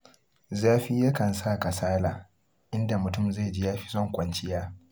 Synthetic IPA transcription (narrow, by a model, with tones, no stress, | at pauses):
zaː˦ɸiː˦ja˦kɐ˨nsaː˦˨ka˨saː˦laː˨ | ʔɪ˦nda˨mʊ˨tʊ˦˨mza˦˨d͡ʒi˦jaː˦ɸi̥˦zɔ˦ŋkʷɐ˦nt͡ʃɪ˦jaː˦